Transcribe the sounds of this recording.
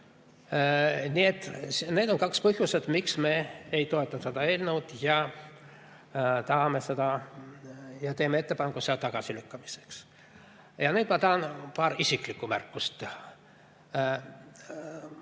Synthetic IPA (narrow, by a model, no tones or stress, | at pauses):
nie̞t̪ːˑsne̞ːd̪o̞nkɑkspɤɦjuse̞d̪̥miksme̞ːejt̪o̞e̞t̪ːˑɑsed̪ɑe̞ːlnewd̪̥jɑ | t̪ɑhɑme̞sed̪̥ɑ | jɑt̪eːmeet̪ːe̞pɑnkuseɑlt̪ɑɡ̥ɑsilykːɑmise̥ks | jɑnyːd̪mɑt̪ɑhɑnpɑːɾisiklikːumærkːˑust̪